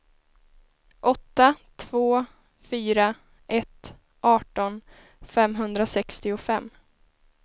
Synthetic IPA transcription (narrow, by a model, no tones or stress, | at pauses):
ʔɔt̪ːat̪ʰv̥oː | fyːɾa | ʔɛt̪ | ʔɑːʈɔn | fɛmɦɵnd̪ɾasɛkst̪ɪʊfɛmː